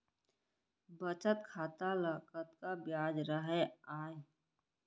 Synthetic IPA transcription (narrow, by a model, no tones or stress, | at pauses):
bət͡ʃət̪kʰaːt̪alakət̪kabjaːd͡ʒɾəɦeaːe